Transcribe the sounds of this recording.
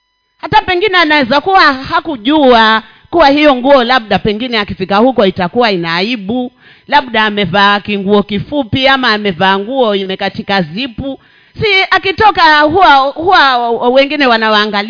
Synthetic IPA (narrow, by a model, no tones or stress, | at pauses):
hatapɛŋɡinɛanawɛzakuwahakuʄua | kuwahijɔŋɡuɔlaɓ̚ɗapɛŋɡinɛakifikahukɔitakuwainaːiɓu | laɓɗaːmɛvaːkiŋɡuɔkifupiamaːmɛvaːŋɡuɔimɛkatikazipu | siakitɔkaɦuwahuwawɛŋɡinɛwanawaːŋɡal